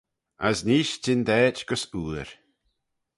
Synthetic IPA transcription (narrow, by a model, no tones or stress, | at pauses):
azniːʃtʰɪnd̪ɛːt͡ʃɡ̥əsuːɾ